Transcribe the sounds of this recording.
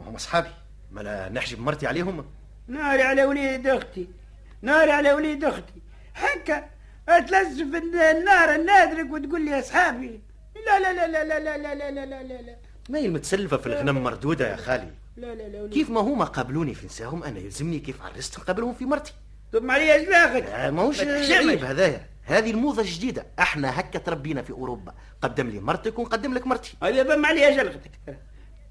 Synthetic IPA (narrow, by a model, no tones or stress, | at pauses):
mæ̰hʊmːʔɑsˤħɑːbi | mæl̰nɪħʒəbmɑɾˤt̪ˤiʕaleːɦʊm | naːɾiʕalæwliːd̪ʊxt̪i | naːɾiʕalæwliːd̪ʊxt̪i | ħakːa | t̪læzːɪfɪnnːɑːɾˤənːæːd̪ɾəkwɪt̪ɡuːlːiɑsˤħɑːbi | lælælælælælælælælælælælæ | mæjilmʊt̪sælːfafilɣnæmmːɑ̰ɾˤd̪uːd̪aja̰xaːlḭ | kiːfmæɦʊmːæqɑːbluːnifinsæːhʊmʔænæ̰jɪlzɪmnikiːfʕɑ̰rˤːɑst̪hnqɑːbəlhʊmfimɑɾˤt̪ˤi̥ | t̪ʊmaʕliæʒlæɣəkmæhuːʃʃʕiːbhæðæːjæ | hæːðilmuːðˤɑʒd̪iːd̪aʔɪħnæɦækːæt̪ɾˤɑbːiːnæfiʔuɾoːbːa̰ | qɑd̪ːɪmlḭmɑɾˤt̪ˤəkwnqɑd̪ːɪmləkmɑɾˤt̪ˤi̥æbibæmːaʕliːhæʒælɣt̪ə̥k